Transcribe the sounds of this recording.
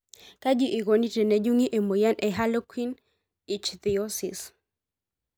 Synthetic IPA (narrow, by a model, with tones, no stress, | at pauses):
ka˦d͡ʒi˦ʔi˨ɣo˨ni˦tɛ˨ne˨d͡ʒu˦ŋi˦ʔe˨mo˨ja˦nʔe˨ɦa˦lo˦kwi˦n | i˨t͡ʃd̪i˨o˦sḭ˨s